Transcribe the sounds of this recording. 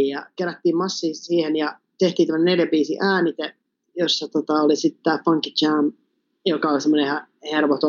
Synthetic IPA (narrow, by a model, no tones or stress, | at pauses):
jɑkeræt̪ːiːmmɑsːiːsiːhenjɑ | t̪eht̪ˑiːnæməneljæbiːsiʔæːnit̪æ | josːɑt̪ot̪ɑolisit̪t̪æːfɑŋkit͡ʃæːm | jokɑolsemːonehæ | herʋot̪o